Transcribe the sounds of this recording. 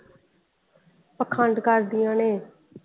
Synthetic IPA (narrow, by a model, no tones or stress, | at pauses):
pəkʰãɳɖ̪kəɾd̪ɪjãːneː